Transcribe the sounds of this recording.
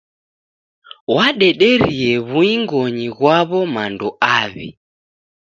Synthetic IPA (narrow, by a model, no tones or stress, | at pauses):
waɗɛɗɛɾiɛβuiŋɡɔɲiɣwaβɔmandɔʔaβḭ